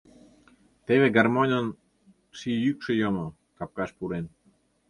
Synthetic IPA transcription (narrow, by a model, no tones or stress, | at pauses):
t̪eβeɡarmonʲən | sijykʃə̆jomo | kap̚kaʃpuɾen